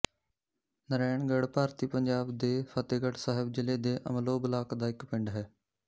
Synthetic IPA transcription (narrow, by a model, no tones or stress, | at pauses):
nəɾɛːɳɡəɽpaːɾt̪iːpəɲd͡ʒaːbd̪eːpʰət̪eːɡəɽsaːɦɪbd͡ʒɪleːd̪eːʔə̰mloːbəlaːkd̪aːɪkpɪ̃ɳɖɦɛː